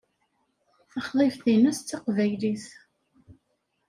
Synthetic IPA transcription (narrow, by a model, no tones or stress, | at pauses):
θəχðˤefθinæst̪t͡sːɑqvæjliθ